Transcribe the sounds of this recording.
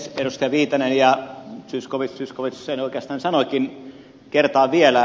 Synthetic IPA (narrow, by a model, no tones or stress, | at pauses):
sperust̪jɑʋiːt̪ɑnenjɑsyskoʋissyskoʋissenoˑikeɑst̪ɑːnsɑnokin | kert̪ɑːʋielæ